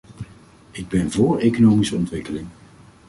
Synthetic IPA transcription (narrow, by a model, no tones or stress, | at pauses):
ɪɡ̚bɛnvʊːɹejkonowmisəɔntʋɪkəlɪŋ